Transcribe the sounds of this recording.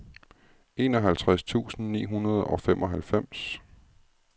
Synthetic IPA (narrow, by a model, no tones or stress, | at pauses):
e̝ːnɒ̽ɦælt͡sʰʁast͡sʰṵːsn̩nḭːɦunɐð̞ˠɒ̽femʔɒ̽ɦælfem̰s